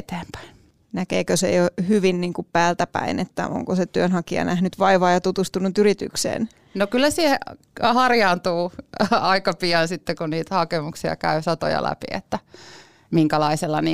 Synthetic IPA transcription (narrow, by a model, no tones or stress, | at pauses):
t̪eːmpæ̥in | nækeːkøsḛohyʋinniːŋkuppæːlt̪æpæ̰inet̪ːæ̰ʔo̰ŋkoset̪yønhɑkiɑ̰næhnyt̪ʋɑiʋɑːjɑt̪ut̪ust̪unut̪yɾit̪y̰ksḛːn | nokylːæsihe | hɑrjɑːnt̪uːɑikɑpiɑnsit̪ːekunniːt̪æhɑkemuksiɑ̰kæysɑt̪o̰jɑ̰læ̰pḭḛt̪ːæ | miŋkælɑiselːɑni